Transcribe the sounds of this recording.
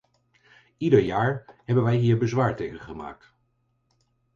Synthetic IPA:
idəɹjaːɹɦɛbənʋɛjɦiːɹbəzʋaːɹtejχənχəma̰ːk̚t

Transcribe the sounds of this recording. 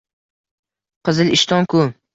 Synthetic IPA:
qʰɨzɪlɪʃt̪ʰɒŋkʰu

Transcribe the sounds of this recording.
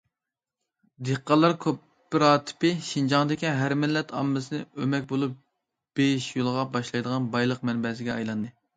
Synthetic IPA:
d̪eqːɑlˠːɑɾkʲʰøpːɪɾɑːt̪ʰɪ̥pɪʃind͡ʒɑŋd̪ɪkʲiɦæɾmɪlːɛt̪ʰɑ̰mːɨsɨnɨømɛk̚ʲbolˠup̚ | b̥eʃjulˠʁɑbɑʃlˠɑjd̪əʁɑnbɑjlˠəq̚mɛnbɛs̬ɪɡʲɛɑjlˠɑnd̪ɨ

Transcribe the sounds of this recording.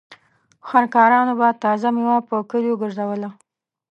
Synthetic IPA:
xankɑɾɑnobat̪ɑzamewapəkəljoɡəɾzawəla

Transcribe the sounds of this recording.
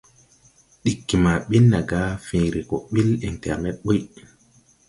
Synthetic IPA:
ɗikːimaɓinːaɡaːfiːɾikɔɓilintɛɾmɛɓɔj

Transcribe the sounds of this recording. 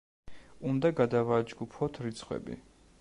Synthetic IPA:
und̪aɡad̪avad͡ʒɡupʰɔt̪ʰɾit̪sʰχwɛ̰bḭ

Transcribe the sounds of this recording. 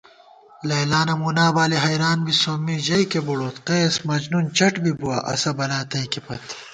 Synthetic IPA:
lɐjlaːnɐmunaːbaːliɦɐjɾaːnbisomːiʑɐjkebuɽoːt̪qeːsmɐd͡ʑnunt͡ɕɐʈbibuwɐʔɐ̰sɐbɐlaːt̪ɐjkepɐt̪ʰ

